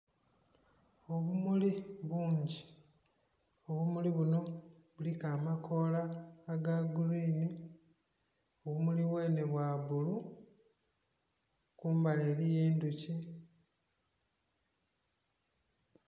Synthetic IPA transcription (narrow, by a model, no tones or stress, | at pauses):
o̞βumuliβuːɲɟi̥ | o̞βumuliβuno̞ | βulikaːmakʰo̞laːɡaɡuɾiːni | oβumuliβwe̞ːne̞βwaβulu | kuːmbale̞ːɾije̞ːnduci